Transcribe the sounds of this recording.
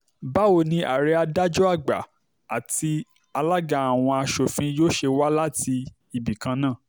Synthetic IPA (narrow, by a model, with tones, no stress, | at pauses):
ba˦o˧˨nĩ˧ʔa̰˨ɾɛ˧˦a˧da˦d͡ʒɔ˦a˦˨ɡ͡ba̰˨ | a˨ti˧ | a˧la˦ɡa˨a˨w̃ɔ̃˧a˧ʃo˨fĩ˧joː˦ʃe˧wa˦la˦ti˧ | i˨bi˨kã˧nã˦˨